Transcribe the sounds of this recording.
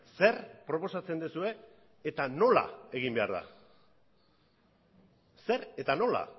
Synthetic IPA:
se̞ɾpɾo̞po̞sat͡se̞nd̪esue̞ː | t̪ano̞la̰e̞ɣ̞imbe̞aɾða̰ | se̞ɾe̞t̪ano̞la̰

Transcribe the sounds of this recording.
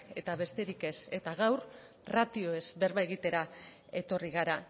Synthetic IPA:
e̞̰t̪aβe̞st̪e̞ɾike̞se̞t̪aɣawɾ | rat̪io̞e̞zβe̞ɾβaeɣ̞it̪e̞ɾa | e̞t̪o̞riɣ̞aɾa

